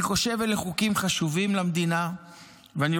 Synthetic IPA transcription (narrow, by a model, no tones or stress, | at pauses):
iχo̞ʃe̞veleχukimχaʃuvimlamd̪ina | veani